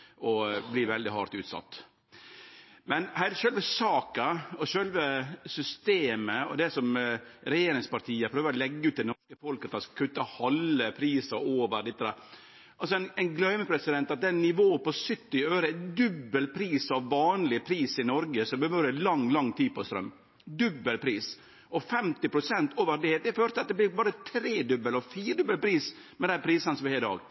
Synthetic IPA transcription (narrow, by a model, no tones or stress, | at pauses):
ɔbliːʋɛld̪ɪhɑ̰ɾt̪ʉːt̪sɑ̰t̪ː | mɛnhæːɾʃølʋəsɑːkɑɔʃølʋəsʏst̪eːməɔ̰d̪ɛsɔmɾɛjeːɾɪŋspɑɾʈ̪ʰiːəpʰɾøːʋəɾɔlɛɡːʉːt̪̚d̪ɛnɔʂkəfɔlkɑt̪ɑnskɑkʰʉt̪ːəhɔləpʰɾiːsəoːʋəɾɖ̪ɪt̪ːəd̪æɾ | ʔɑlsɔɛɪnɛɪnɡlœʏməpʰɾɛsɪd̪ɛnt̪ɑt̪̚d̪ɛnːɪʋoːəpɔsʏt̪ːɪøːɾəd̪ʉbːəlpʰɾiːsɑʋʋɑːnlɪpʰɾiːsɪnɔɾɡəsɔmbəʋøːɾəlɑŋːlɑŋːt̪ʰiːpɔst̪ɾœ̰mː | d̪ʉbːəlpʰɾiːs | ʔɔfɛmt̪ɪpʰɾʊsɛnt̪ʰoːʋəɾd̪ɛd̪ɛføːɾt̪əɑt̪̚d̪ɛblɪɾbɑːɾət̪ʰɾeːd̪ʉbəlɔfiːɾɖ̪ʉbːəlpʰɾiːs | mɛd̪ɛæpʰɾiːsənəsɔmɛheːɾd̪ɑ̰ːɡ